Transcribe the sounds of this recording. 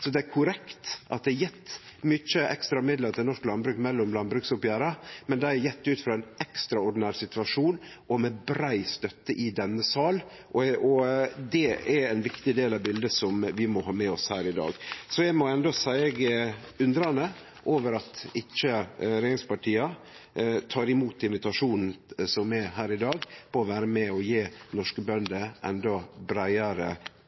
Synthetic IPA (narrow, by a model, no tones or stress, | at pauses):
sɔd̪ɛæɾkʰʊɾɛkt̪ʔɑ̰t̪̚d̪ɛæjɛt̪ːmʏt͡ʃːəɛ̰kst̪ɾɑmɪd̪ləɾt̪ʰɪlnɔʂklɑnbɾʉːkmɛlːɔmlɑnbɾʉːksʊpjæːɾəmɛnd̪ɛɪæɾjɛt̪ːʉːt̪fɾɑːæɪnɛkst̪ɾɑɔɖn̩æːɾsɪt̪ʋɑʂuːnɔmɛbɾæɪst̪œt̪ːəʔɪd̪ɛnːəsɑːlʔɔɔd̪ɛɛɾænʋɪkt̪ɪd̪eːlɑʋbɪld̪əsɔmʋɪmɔhɑːmɛɔshæːɾɪd̪ɑ̰ːɡsɔjæɪmɔɛnd̪ɔsæɪɡʉnd̪ɾɑnə | ʔoːʋəɾɑt̪ɪt͡ʃːəɾeːɪŋspɑʈʰiːɑ | t̪ʰɑːɾɪmuːt̪ɪnʋɪt̪ɑʂuːnn̩sɔmɛɾɦæːɾɪd̪ɑːɡpʰɔːʋæːɾəmɛɔjeːnɔʂkəbœnd̪əʔɛ̰nd̪ɔbɾæɪəɾə